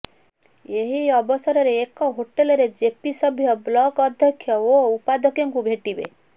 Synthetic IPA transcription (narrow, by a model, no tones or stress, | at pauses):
eɦiɔbɔsɔɾɔɾeːkɔɦoʈelɔɾed͡ʒepisɔbʱjɔblɔɡɔd̪ʱjɔkʰjɔoupad̪ɔkjɔŋkubʱeʈibḛ